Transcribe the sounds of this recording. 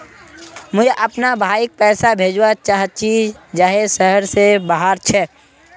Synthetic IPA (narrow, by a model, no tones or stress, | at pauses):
mʊd͡ʒʱeʔɐpnabʱaːɪk̚pɛːsabʱeːd͡ʒwat͡ʃaːɦt͡ʃid͡ʒd͡ʒaːɦesəɦəɾsebaːɦaɾt͡ʃʰɛː